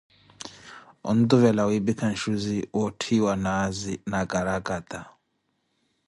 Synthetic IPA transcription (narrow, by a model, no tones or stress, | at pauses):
ṵnd̪uvɛlawibikʰanʃuziwɔtʰiwanazinaɡʼaɾaɡʼat̪ʼa